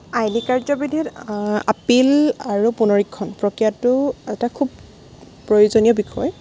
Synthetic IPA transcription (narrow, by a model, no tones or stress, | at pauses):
ajlikaɹzɔbidʱita̰pilaɹupunɔɹikʰːɔnpɹɔkɹijatʊɛtakʰub̚ | pɹojuzonijɔbikʰɔ̰j